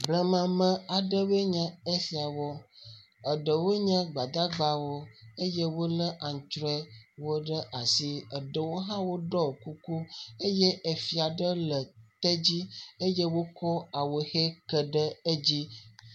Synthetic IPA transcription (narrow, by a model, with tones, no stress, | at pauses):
blə˨mã˨mə̃˦a˨ɖə˦bə˦ɲə̃˦e˦fi˨a˨wɔ˦ | ə˨ɖə˨wo˦ɲə̃˦ɡ͡ba˨d̪a˦ɡ͡ba˦wo˦e˦je˦wo˦lə˦ʔa˨ŋ˨t͡ʃɾɔ˦ɛ˦wo˦ɖə˦ʔa˨si˦ə˨ɖə˨wo˦ɦã˦wo˦ɖɔ˦˨ku˦ku˦e˦je˦ʔe˨fi˨a˨ɖə˦lə˨t̪ɛ˦d͡ʑi˦e˦je˦wo˦kɔ˦a˨wo˨xe˦kə˨ɖə˦e˦d͡ʑi˦